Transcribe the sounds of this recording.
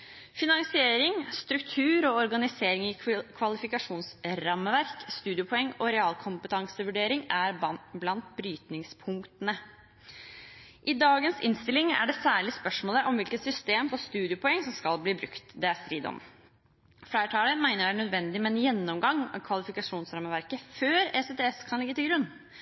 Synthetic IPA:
fɪnɑŋsɪeːɾɪŋst̪ɾʉkt̪ʰʉːɾɔɔɾɡɑnɪseːɾɪŋɪkʰʋɑlɪfɪkɑʂuːnsɾɑmːəʋæɾkst̪ʉːd̪ɪʊpʰɔɛŋːɔɾɛɑːlkʰʊmpət̪ʰɑŋsəʋʉɖeːɾɪŋæɾblɑnt̪̚bɾyːt̪nɪŋspʰʊŋkt̪ənə | ʔɪd̪ɑːɡənsɪ̰nst̪ɪlɪŋæ̰ɖɛsæːɭɪspœʂmoːləʔɔmʋɪlkət̪sʏst̪eːmfɔst̪ʉːd̪ɪʊpʰɔɛŋːsɔmskɑlbliːbɾʉ̰kt̪d̪ɛæst̪ɾiːd̪ɔ̰m | flæɪʈʰɑːləmæɪnəɖæɳœd̪ʋɛnd̪ɪmɛnjɛnːɔmɡɑŋːɑ̰t̪̚kʰʋɑlɪfɪkɑʂuːnsɾɑmːəʋæɾkəføːɾɛset̪eɛskʰɑnlɪɡːət̪ɪlɡɾʉnː

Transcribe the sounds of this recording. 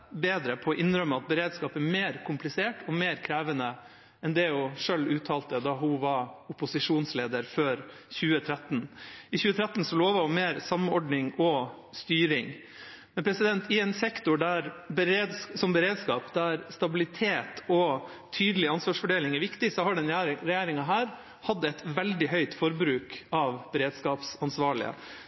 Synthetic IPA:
beːd̪ɾəpʰɔʔɪnɾœmːəɑt̪̚bəɾeːd̪skɑːpæmeːɾkʰʊmplɪseːʈʰɔmeːɾkʰɾæːʋənə | ɛnd̪ɛjʊʂølʉːt̪ʰɑːlt̪əd̪ɑɦʊʋɑʊpʊsɪʂuːnsleːd̪əɾføːɾ | çʉːət̪ʰɾɛt̪ːnɪçʉːət̪ʰɾæt̪n̩sɔloːʋɑʊmeːɾsɑmɔɖnɪŋɔ | st̪yːɾɪŋ | mmɛnpʰɾɛsɪd̪ɛnt̪ɪɛnsɛkt̪ʊɖæɾbɛɾeːd̪ssɔmbəɾeːd̪skɑːpd̪æɾst̪ɑbɪlɪt̪ʰeːt̪ʰɔ | t̪ʰyːd̪əlɪɑnsʋɑʂfɔɖeːlɪŋæɾʋɪkt̪ɪsɔhɑɖɛnæɾɾɛjeːɾɪŋɑɦæːɾ | hɑd̪ːəɛt̪ʋɛld̪ɪɦœʏt̪fɔɾbɾʉːkɑʋb̥ɛɾeːd̪skɑːpsɑnsʋɑːɭɪ̰ə̰

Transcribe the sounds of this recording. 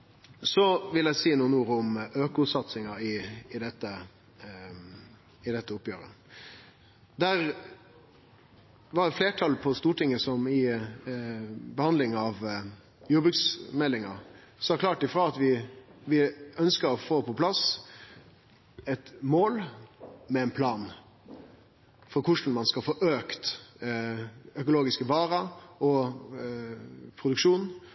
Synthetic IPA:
sɔʋɪlæɪsiːnuːnuːəɾəʊmøːkʊt̪sɑt̪sɪŋɑɪːd̪ɛt̪ːə | ɪd̪ɛt̪ːəʊpːjøːɾə̰ | d̪æɾ | ʋɑɖɛfleːʈʰɑlpʰɔst̪uːʈɪŋːəsɔmɪ | bəhɑnd̪lɪŋɑʋ | juːɾbʉksmɛlːɪŋɑ̰ | sɔæɾkʰlɑːʈ̚ɪfɾɑːɑt̪ʋɪʋɪœnskəɾɔfoːpʰɔpʰlɑs | ɛt̪moːlmɛɛnpʰlɑːn | fɔɾkʰʊʂn̩mɑnskɑlfoːʔøːkt̪ | œkʊloːɡɪskəʋɑːɾəɔ | pʰɾʊd̪ʉkʂuːn

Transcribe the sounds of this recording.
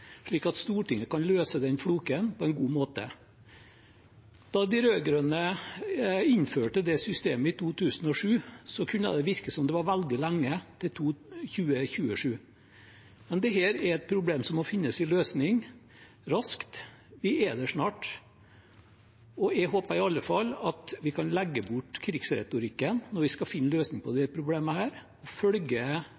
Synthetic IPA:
ʂɭiːkɑt̪st̪uːʈɪŋːəkɑnløːsəd̪ɛnfluːkənpʰɔɛɪnɡuːmoːt̪ə̰ | d̪̥ɑd̪ɪɾøːɡɾœnə | ɪnføːʈəd̪ɛsʏst̪ḛːməɪt̪ʰuːt̪ʰʉːsənɔʂʉːsɔkʰʉnːə̰d̪ɛʋɪɾkəsɔmd̪ɛʋɑɾʋæld̪ɪlæŋːət̪ʰɪlt̪ʰuːçʉːəçʉːəʂʉː | mɛnd̪ɛɦeːɾɛɾɛt̪̚pʰɾʊbleːmsɔmɔfɪnːəsɪløːsnɪŋ | ɾɑskt̪ | ʋɪed̪əʂnɑːʈ | ɔɛɡɦoːpəɾɪɑlːəfɑlːɑt̪ʋɪkʰɑnlæɡːəbʊʈkʰɾɪɡsɾɛ̰t̪ʊɾɪkːənnɔɾʋɪskɑfɪnːəløːsnɪŋpʰɔd̪ɛæɾpʰɾʊbleːməhæːɾ | ɔfœlɡə

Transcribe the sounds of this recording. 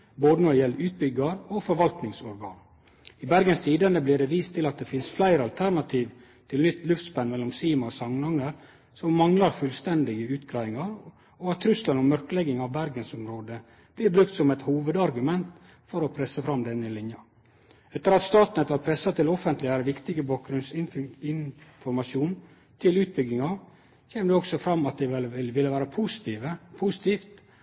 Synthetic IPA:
boːd̪ənɔɪjɛlɾʉːt̪̚bʏɡɑɾofɔɾʋɑlt̪nɪŋsɔɾɡɑ̰ːn | ɪbæɾɡənst̪ʰiːd̪ɑnd̪əblɪɖɛʋiːst̪ʰːɪlɑt̪̚d̪ɛfɪnsflæɪɾəɑlt̪ʰæɾnɑt̪ʰiːʋ | t̪ʰɪlnʏt̪ːlʉft̪spɛnmɛlːɔmsiːmɑɔsɑŋnɑŋəɾ | sɔmːɑŋlɑɾfʉlst̪ɛnd̪ɪɡəʉːt̪ɡɾæɪɪŋɑɾ | ɔɑt̪ʰːɾʉslɑnɔmːœɾkəlɛɡɪŋɑʋbæɾɡənsɔmɾoːd̪ə | b̥lɪɾbɾʉk̚t̪sɔmɛt̪huːʋəd̪ɑɾɡʉmɛnt̪ | fɔɾɔpʰɾɛsːəfɾɑmd̪ɛnːəɪlɪnjɑ | ɛt̪ːəɾɑt̪st̪ɑːt̪nət̪ʋɑɾpʰɾɛsːɑt̪ʰɪlɔfənt̪lɪæɾʋɪkt̪ɪɡəbɑːk̚ɡɾʉnsɪɪnfɔɾmɑʃuːn | t̪ʰɪlʉːt̪̚bʏɡːɪŋɑ | kʰeːmd̪ɛɔksɔfɾɑmːɑt̪̚d̪ɛɪʋɪlːəʋæːɾəpʰusɪ̥t̪iʋəpʰʊsɪ̥t̪ʰiːft̪

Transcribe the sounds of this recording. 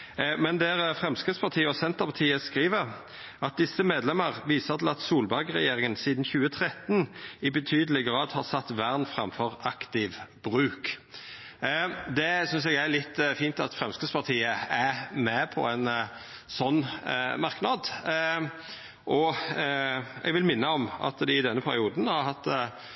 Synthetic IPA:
mɛnd̪æɾfʁɛmskɾɪd̪spʰɑʁt̪ʰiːəɔsɛnt̪əpʰɑt̪ʰiːəskʁiːʋəɾ | ʔɑt̪̚d̪ɪsəmeːd̪lɛməʁʋiːsəʁt̪ʰɪlɑt̪suːlbɑɡʁɛ̰jeːɾʁɪŋənsiːd̪nçʉːət̪ʰɾɛt̪nɪbɛt̪ʰyːd̪əlɪɡʁɑːd̪hɑʁsɑt̪ːʋæʁnfʁɑmfɔʁɑkt̪ɪʋb̥ʁʉːk | d̪ɛsʏns̬ɛɡælɪt̪ːfiːnt̪ɑt̪fɾɛmskʰəspʰɑʁt̪ʰiːəæmɛpʰɔ̰ɛn | sɔnːmɑʁknɑd̪ | ʔɔ | ɛ̰ɡʋɪlmɪnːəɔmɑ̰t̪d̪ɪɪd̪ɛnːəpʰæɾɪuːd̪nhɑɾɦɑt̪ː

